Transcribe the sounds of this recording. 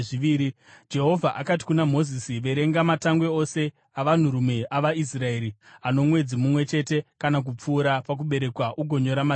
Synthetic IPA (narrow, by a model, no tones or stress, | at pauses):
ʐiʋiːɾi | d͡ʒe̞ɦo̞vʱaʔakati̥kunamo̞zisiʋe̞ɾe̞ŋɡamataŋɡwe̞o̞se̞ | aʋan̤uɾume̞ʔaʋais̬rae̞ːɾiano̞mwe̞d͡zimumwe̞t͡ʃe̞te̞kanak̬up͡fuːɾapak̬uɓe̞ɾe̞kwaʔuɡʱo̞ɲo̞ɾama